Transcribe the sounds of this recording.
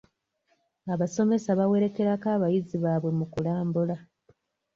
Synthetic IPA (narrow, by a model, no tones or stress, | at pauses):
aβaso̞me̞saβawe̞ɾe̞ke̞ɾakaːβajiziβaːβwe̞mukulaːmbula